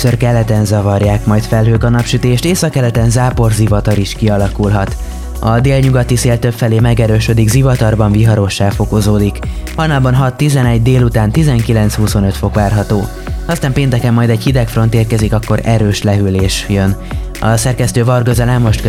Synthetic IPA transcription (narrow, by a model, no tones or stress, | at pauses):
sørkɛlːɛt̪ɛnzɒvɒrjaːkmɒjt̪fɛlɦøːkɒnɒpʃyt̪eːʃt̪eːsɒkːɛlɛt̪ɛnzaːpo̞rzivɒt̪ɒɾiʃkiɒlɒkulɦɒt̪ | ɒd̪eːlɲuɡɒt̪iseːlt̪øpfɛleːmɛɡɛɾøːʃød̪iɡzivɒt̪ɒrbɒɱviɦɒɾo̞ʃːaːfo̞kozoːd̪ikhɒjnaːlbɒnɦɒt̪ːizɛnɛɟd̪eːlut̪aːnt̪izɛŋkilɛnt̪shuso̞nø̞t̪fo̞kʋaːrɦɒt̪oː | ɒst̪aːmpeːnt̪ɛkɛmːɒjd̪ɛɟhid̪ɛkfro̞nt̪eːrkɛzikɒkːo̞ɾɛɾøːʃlɛɦyleːʃjøn | ɒ̰sɛrkɛst̪øːvɒrɡøzɛlɛmːo̞ʃt̪